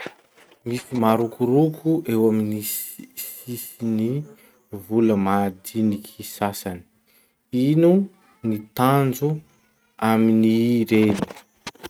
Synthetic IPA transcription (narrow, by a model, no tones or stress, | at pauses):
misimaɾukuɾukʰuʔewaminisisini | vuləmad̪inikʰisasani̥ | inu | nit̪and͡zu | aminiɾeni̥